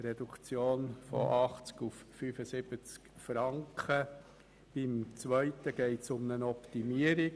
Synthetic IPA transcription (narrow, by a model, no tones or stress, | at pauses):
ɾedukt͡sjoːnfɔ̰ʔɑχt͡skufːyːfəsɪb̥ət͡skfɾɑŋkʰχə | b̥ɪmt͡sʋœʏtəɡ̥ɛɪtsʊmnənɔptimiəɾi